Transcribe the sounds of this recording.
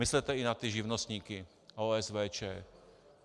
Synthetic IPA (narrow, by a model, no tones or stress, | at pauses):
ɪslɛt̪ɛɪnat̪ɪʒɪvnost̪ɲiːkɪ | ʔoːɛsvɛːt͡ʃɛ̰ː